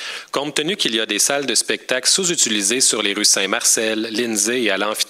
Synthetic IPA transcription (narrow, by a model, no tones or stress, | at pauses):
kɔ̃pt̪ənykʲiliad̪esald̪əspɛk̚t̪aklsuzyt͡silizesyʁleʁysɛ̃maʁsɛlːɪnzeːalɑ̃fi̥